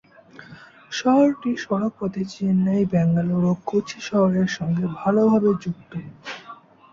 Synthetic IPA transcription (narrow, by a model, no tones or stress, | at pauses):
ʃɔɦoɾʈiʃɔɽok̚pɔt̪et͡ɕinːajbɛŋɡaloɾokot͡ɕʰiʃɔɦoɾeɾʃɔŋɡebʱalobʱabed͡ʑuk̚t̪o